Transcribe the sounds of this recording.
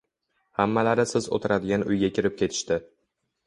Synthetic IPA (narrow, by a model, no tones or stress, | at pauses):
hamːalaɾɪsɪzo̰t̪ʰɪɾad̪ɪɡʲanʊjɡʲakʲɪɾɪp̚kʲʰe̞t̪ʰɪ̥ʃt̪ɪ